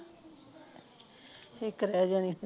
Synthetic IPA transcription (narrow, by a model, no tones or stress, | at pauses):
ekɾɛːd͡ʒaːniː